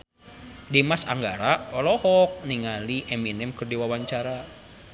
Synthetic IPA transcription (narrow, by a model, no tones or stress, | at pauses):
dimasa̰ŋɡaɾaɔlɔhɔk̚niŋaliʔɛminɛmkɨrdiwawaɲt͡ʃaɾa